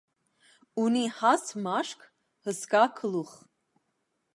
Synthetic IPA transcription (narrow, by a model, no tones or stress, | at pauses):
unihɑsmɑʃkʰ | həskɑkʰəluχ